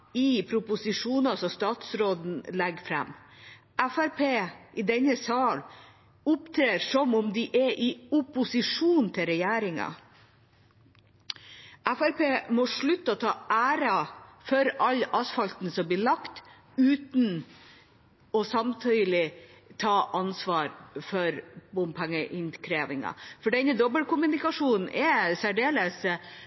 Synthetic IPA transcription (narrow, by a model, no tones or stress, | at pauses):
ɪpʰɾʊpʊsɪʂuːnɑsɔst̪ɑːt̪sɾoːd̪n̩lɛɡfɾɛ̰mː | æfæɾpʰeːʔɪd̪ɛnəsɑːl | ʊpt̪ʰɾeːɾsɔmɔmd̪ɪʔɛʔɪʊpʊsɪʂuːnt̪ʰɪɾɛjæːɾɪŋɑ̰ | ʔæfæɾpeːmɔʂɭʉt̪ːəɔt̪ʰɑːʔæːɾɑfɔɾɑlɑsfɑlt̪n̩sɔmblɪɭɑkt̪ | ʉːt̪n̩ | ɔsɑmt̪ʰyːlɪt̪ʰɑːʔɑnsʋɑːɾfɔɾbʊmpʰæŋːəʔɪnkʰɾeːʋɪŋɑ̰fɔɖɛnəd̪ɔbəlkʊmʉnɪkɑʂuːnn̩ʔɛsæɖeːləs